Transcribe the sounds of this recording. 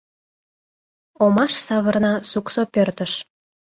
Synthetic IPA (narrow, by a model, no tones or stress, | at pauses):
omɑʃsɑβə̆rnɑsuksopørt̪əʃ